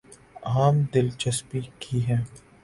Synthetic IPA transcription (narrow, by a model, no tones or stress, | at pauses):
aːmd̪ɪlt͡ʃɐspikʰiɦɛ̃ː